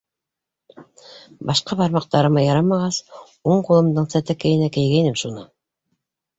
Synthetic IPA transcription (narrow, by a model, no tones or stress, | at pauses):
bɑʃqɑβɑɾmɑq̚t̪ɑɾɤ̆mɑjɑɾɑmɑʁɑs | uɴqulˠɤ̆md̪ɤɴsæt̪ækæ̆jɘ̆nækɘ̆jɡæjnɘmʃunɤ